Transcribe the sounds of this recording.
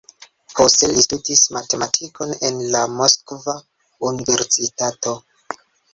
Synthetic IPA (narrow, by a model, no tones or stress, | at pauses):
postelistutismate̞matʰiko̞nenlamoskva | unive̞ɾsitato̞